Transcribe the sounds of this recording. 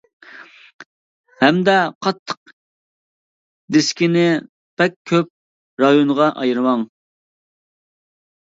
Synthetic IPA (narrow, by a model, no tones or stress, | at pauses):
hɛmd̪ɛqʰɑt̪ʰːə̥q | d̪eskʲinɪ | b̥ɛkʲʰøp̚ | ɾɑjunʁɑʔɑ̰jɾɨmɑŋ